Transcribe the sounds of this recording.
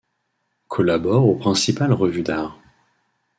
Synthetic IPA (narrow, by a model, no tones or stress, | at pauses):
kʰɔlabɔʁopχɛ̃sipalʁəvyd̪aːʁ